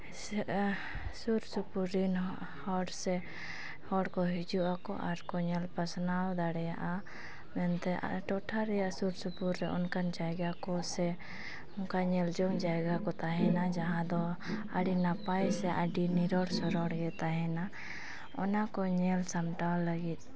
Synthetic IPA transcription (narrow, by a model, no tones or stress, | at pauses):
suɾsupuɾin | hɔɽsɛ | hɔɽkɔɦid͡ʒuʔakɔ̰ʔaɾkɔɲɛlpasnawd̪aɽɛjaʔa | mɛnt̪ɛ̰ʈɔʈʰaɾɛjaʔsuɾsupuɾːɛʔɔnkand͡ʒajɡakɔsɛ | ɔŋkaɲɛld͡ʒɔŋd͡ʒajɡakɔt̪aɦɛnad͡ʒaɦãd̪ɔ | aɖinapajsɛʔaɖiniɾɔɽsɔɾɔɽɡɛt̪aɦɛna | ɔ̰nakɔɲɛlsamʈawlaɡit̪̚ˀ